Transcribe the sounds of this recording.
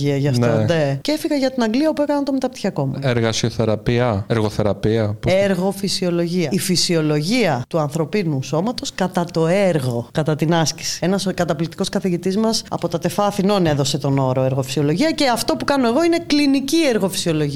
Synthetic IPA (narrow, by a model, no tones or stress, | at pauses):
iɐʝɐfnonecefiɣɐʝɐt̪inɐŋɡliɐopuekɐnɐnt̪omet̪ɐpt̪i̥çɐko̞mueɾɣɐsioθe̞ɾɐpiɐeɾɣoθe̞ɾɐpiɐpeɾɣo̞fisio̞lo̞ʝiɐifisio̞lo̞ʝiɐt̪uɐnθɾo̞pinuso̞mɐt̪o̞skɐt̪ɐt̪o̞eɾɣo̞kɐt̪ɐt̪inɐsci̥si̥e̞nɐskɐt̪ɐplikt̪i̥ko̞skɐθiʝit̪izmɐsɐ̰po̞t̪ɐt̪e̞fɐθino̞ne̞ðo̞se̞t̪o̞no̞ɾo̞eɾɣo̞fi̥sio̞lo̞ʝiɐce̞ɐft̪o̞pukɐno̞e̞ɣo̞ine̞klinicieɾɣo̞fi̥sio̞lo̞ʝi